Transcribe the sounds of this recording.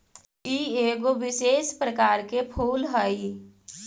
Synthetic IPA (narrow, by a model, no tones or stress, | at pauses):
iːeːɡoʋɪʃeːʃpɾəkaːɾkepʰuːlɦəi